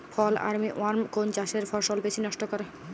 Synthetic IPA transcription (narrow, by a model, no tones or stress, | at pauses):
fʰɔla̰ɾmiʔoaɾmkont͡ɕaʃeɾfɔɾʃolbet͡ɕʰinɔʃʈokɔɾe